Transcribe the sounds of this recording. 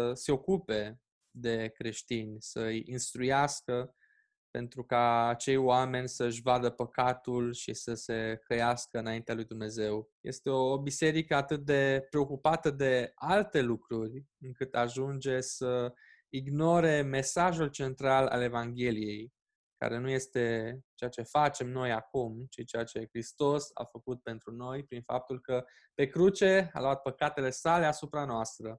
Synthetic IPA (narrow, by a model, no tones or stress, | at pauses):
əse̞o̞kupe̞ | d̪e̞kɾe̞ʃt̪inʲsəɨjinst̪ɾujaskə | pe̞̰nt̪ɾukaːt͡ʃe̞jwame̞nʲsəɨʃ̬ʲvad̪əpəkat̪ulʃḭsəse̞kəjaskəɨnaint̪ealujd̪umne̞ze̞wjʔe̞̰st̪e̞oːbise̞ɾikəat̪ɨt̪̚d̪e̞pɾe̞o̞kupat̪əd̪e̞alt̪e̞lukɾurʲɨŋkɨt̪aʒund͡ʒe̞sə | iɡno̞ɾe̞me̞saʒult͡ʃe̞nt̪ɾala̰le̞vaŋɡʲe̞lije̞j | ka̰ɾe̞nuje̞st̪e̞t͡ʃeat͡ʃe̞fat͡ʃe̞mno̞jakumt͡ʃit͡ʃejat͡ʃe̞kɾist̪o̞sa̰fəkut̪̚pe̞nt̪ɾuno̞jpɾinfa̰p̚t̪ulkə | pe̞kɾut͡ʃe̞a̰loat̪̚pəkat̪e̞le̞sale̞asupɾanoast̪ɾə